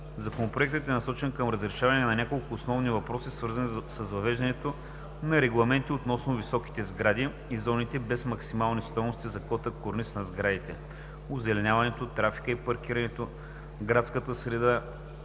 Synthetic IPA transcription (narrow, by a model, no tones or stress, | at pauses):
zɐkonopɾoɛk̚t̪ət̪ɛnɐsɔt͡ʃɛnkəmɾəzɾɛʃavɐnɛnɐnʲakolˠkʊːsnɔvnivɐpɾɔsisvɤɾzɐnsəsvɐvɛʒd̪ɐnɛt̪o | nɐɾɛɡlˠɐmɛnt̪iot̪nɔsnovisɔki̥t̪ɛzɡɾad̪i | izɔnit̪ɛbɛsmɐksimalˠnist̪ɔjnost̪izɐkɔt̪əkoɾnisnɐzɡɾad̪it̪ɛ | ʊzɛlɛnʲavɐnɛt̪ot̪ɾafi̥kəipɐɾk̟iɾɐnɛt̪o | ɡɾat̪skət̪əsɾɛd̪a